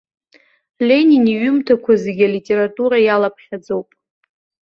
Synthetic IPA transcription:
lʲe̞nʲiniɥʊmtʰakʷʰazeɡʲalitʲʼe̞ɾatʼuɾajalapʰχʲad͡zowpʼ

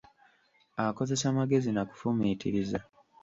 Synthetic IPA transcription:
ako̞ze̞saːmaɡe̞zinaku̥fumiːtʰḭɾiza

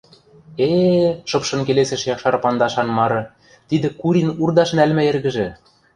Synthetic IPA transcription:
eʃɤ̆pʃɤ̆nk̬eleseʃjɑkʃɑrpɑnd̪ɑʃɑnmɑɾɤ̆ | t̪id̪ɘ̆kuɾinurd̪ɑʃnælmæerɣɘ̆ʒɘ̆

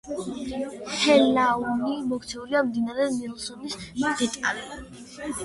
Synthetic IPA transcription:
hɛlaunimɔkʰt̪sʰɛuɾiamd̪inaɾɛnilˠsɔnisd̪ɛt̪ʼalɛ

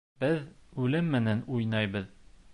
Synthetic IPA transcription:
b̥ɘðʉlɘmːɘ̆nænujnɑjbɤð

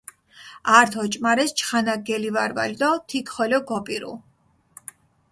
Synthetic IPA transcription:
aɾt̪ʰɔt͡ʃʼmaɾɛst͡ʃʰχanaɡɛlivaɾva̰ld̪ɔt̪ʰikʰχɔlɔɡɔpʼiɾṵlˠ

